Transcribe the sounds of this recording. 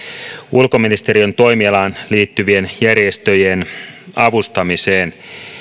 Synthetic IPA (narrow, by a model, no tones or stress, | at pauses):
ulko̞minist̪e̞ɾiønt̪o̞jmiɑlɑːnliːt̪ːyʋie̞njærjest̪ø̞jenɑʋust̪ɑmiseːn